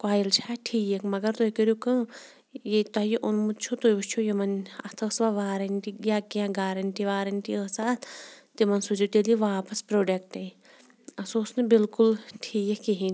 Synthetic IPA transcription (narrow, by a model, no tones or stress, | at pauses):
kwaːjilt͡ʃʰaʈʰiːjɐkmɐɡɐɾt̪oikəɾjukɨ | jet̪ɐɦjiʔunmut͡ʃʰut̪ojbut͡ʃʰujimɐnɐ̰t̪ʰɐsʋaʋaːɾɐnʈijaːkiãɡaːɾɐnʲʈiʋaːɾɐnʈiəsaːt̪t̪imɐnsud͡ʒut̪eliʋaːpɐspɾoːɖek̚ʈɐj | ɐsoːsnɨbilkulʈʰiːjekiɦĩn